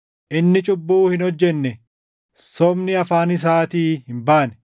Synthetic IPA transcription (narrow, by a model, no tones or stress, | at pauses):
ʔɪnːɪt͡ʃʼʊbːuːhɪnɔd͡ʒːɛnːɛ | sɔmnɪɐfaːnɪs̬aːt̪iːhɪmbaːnɛ̥